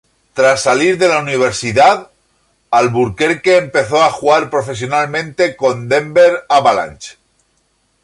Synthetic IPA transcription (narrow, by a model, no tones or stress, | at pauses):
t̪ɾasːaliɾðe̞launiβ̞e̞ɾsiðað | alβuɾke̞ɾke̞ːmpe̞θo̞axuɣaɾpɾo̞fe̞sjo̞nalmẽ̞nt̪e̞ko̞nd̪e̞mbe̞ɾaβala̰nt͡ʃ